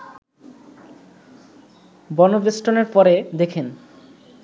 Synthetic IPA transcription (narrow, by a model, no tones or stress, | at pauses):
bɔnobɾisʈoneɾpɔɾed̪ekʰen